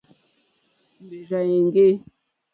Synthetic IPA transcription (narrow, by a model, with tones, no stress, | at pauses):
m˨be˨ʒa˨je˨ŋ˦ɡe˦